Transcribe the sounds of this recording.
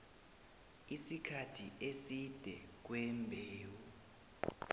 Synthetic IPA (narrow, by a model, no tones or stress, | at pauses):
isikʰatʰiʔesid̥ʱɛk̬wɛmbʱeːwu